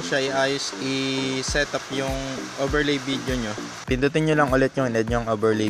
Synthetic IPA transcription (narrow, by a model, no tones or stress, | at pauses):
ʃaʔɪʔaːjosɪsɛt̪ɐpjʊŋʔobɛɹlejbid̪joɲo | p̪ɪnt̪ut̪ɪnɲolɐŋʔʊlɛt̪̚ɲʊnɛd̪ɲoŋʔoːbɛɹle